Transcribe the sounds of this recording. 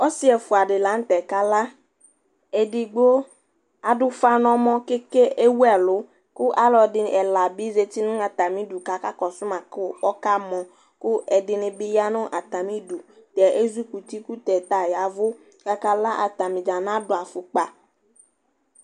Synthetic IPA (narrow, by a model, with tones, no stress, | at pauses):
ɔ˦si˦ɛ˨fʊ˨a˨ɖɪ˨la˨˦n̩˦t̪ɛ˨ka˦la˦ | ɛ˨dɪ˨ɡ͡bo˦ | a˨dʊ˦fa˦nɔ̃˨˦mɔ̃˦ke˦ke˦ʔe˦wu˦ɛ˦˨lʊ˨˦ | kʊ˦ʔa˦lɔ˨dɪ˨ɛ˨la˨bi˦ze˨t̪i˦nʊ̃˦a˨t̪a˨mĩ˦du˨ka˨ka˦kɔ˨sʊ˦mã˨kʊ˦ɔ˦ka˦mɔ̃˨ | kʊ˦ɛ˨dɪ˨nɪ̃˨bɪ˦ja˦nʊ̃˦ʔa˨t̪a˨mĩ˦du˨t̪ɛ˨ʔe˦zu˦ku˨t̪i˦ku˦t̪ɛ˨t̪a˨ja˨˦vʊ˦ | ka˨ka˦la˦ʔa̰˨t̪a˨mĩ˨d͡ʒa˨nã˦dʊ˨a˨fʊ˨k͡pa˨